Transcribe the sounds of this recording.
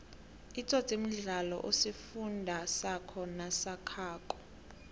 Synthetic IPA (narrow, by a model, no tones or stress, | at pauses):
it͡sʰʼɔtʼim̩ɮalɔ̰ʔosifundʱasakʰɔnasakʰaːkʼɔ̥